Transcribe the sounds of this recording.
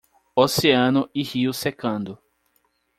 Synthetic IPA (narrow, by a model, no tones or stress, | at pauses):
oseɐ̃nʊʔɪhiʊsekɐ̃nd̪ʊ